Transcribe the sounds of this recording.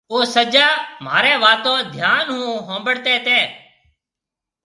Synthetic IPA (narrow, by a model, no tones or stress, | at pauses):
ʋoːsəd͡ʒaːm̤a̰ːɾɛːʋaːt̪õːd̪ʱjaːnɦũːɦõːmbəɽt̪ɛːt̪eː